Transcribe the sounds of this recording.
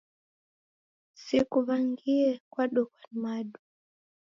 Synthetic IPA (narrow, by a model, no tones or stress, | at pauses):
sikuβaŋɡiɛkwaɗɔkwanmaɗu